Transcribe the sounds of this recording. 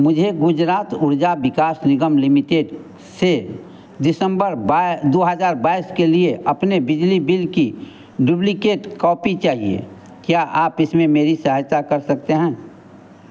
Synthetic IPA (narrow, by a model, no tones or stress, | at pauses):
mʊd͡ʒʱeɡʊd͡ʒɾaːt̪ʊɾd͡ʒabɪkaːsnɪɡəmlɪmɪʈeːɖ | se | dɪsə̃mbəɾd̪oːɦəd͡ʒaːɾbaːɪskelieʔɐpnebɪd͡ʒlibɪlki | ɖʊblikeːʈkɔːpit͡ʃaːɦiḛ | kjaʔaːpɪsmẽmeːɾisəɦət̪akɐɾsɐk̚t̪eɦɛ̃ː